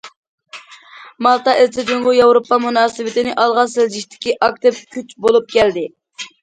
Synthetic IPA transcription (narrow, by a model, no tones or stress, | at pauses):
mɑlˠt̪ɑʔezt̪ɪd̪ɪŋʁʊjɑwɾopːɑmunɑːsɨwɪt̪ɪnɪʔɑlˠʁɑseld͡ʒiʃt̪ʰɪ̥kʲiʔɑk̚t̪ɪp̚kʲʰyt͡ʃbolˠup̚kʲɛld̪ɪ